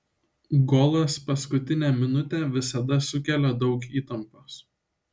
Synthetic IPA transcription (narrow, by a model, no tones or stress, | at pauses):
ɡɔːlˠɐspɐskʊt̪ʲɪnʲæːmʲɪnʊt̪ʲɛˑʋʲɪsɐd̪ɐsʊkʲɛlʲɛd̪ɒʊkiːt̪ɐmpos